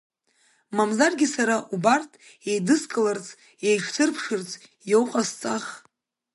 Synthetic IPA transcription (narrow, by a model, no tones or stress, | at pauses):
mamzarɡʲɪsaɾaʔubartʰʼ | ejdɨskʼɨlart͡sʰʼ | ejʈ͡ʂʰt͡sʰɨrpʰʂɨrt͡sʰʼ | jowqʼast͡sʼaχ